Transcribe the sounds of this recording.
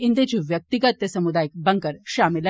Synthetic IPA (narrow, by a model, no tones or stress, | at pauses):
ind̪et͡ɕuʋjək̚t̪iɡət̪jəsɐmud̪ajik̚bəŋkəɾʃamil